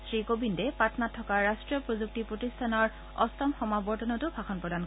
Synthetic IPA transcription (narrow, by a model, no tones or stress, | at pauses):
sɹikobindɛpatɔnatʰːɔkaɹːastɹijɔpɹozuk̚tipɹotistʰanɔɹ | ɔ̰stɔmxɔmabɔɹtɔnɔtʊbʱaxɔnpɹɔdank